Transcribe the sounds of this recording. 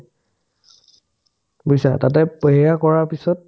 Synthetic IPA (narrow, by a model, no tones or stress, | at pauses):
bujsa̰tatɛpɔɦɛakɔɹapisɔt̚